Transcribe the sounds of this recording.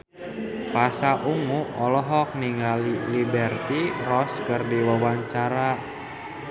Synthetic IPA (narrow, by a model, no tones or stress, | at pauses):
pasaʔuŋuɔlɔɦɔk̚niŋalilibɛrt̪irɔskərdiwawaɲt͡ʃaɾa